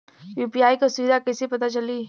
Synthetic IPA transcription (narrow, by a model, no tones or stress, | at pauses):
juːpijaːikasʊid̪ʱakɛsipɐt̪at͡ʃɐliː